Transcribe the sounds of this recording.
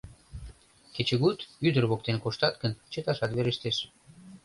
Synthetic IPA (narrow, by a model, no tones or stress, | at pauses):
ket͡ɕəɣut̪yd̪ərβok̚t̪enkoʃt̪ɑt̪kənt͡ɕət̪ɑʃɑt̪βeɾeʃt̪eʃ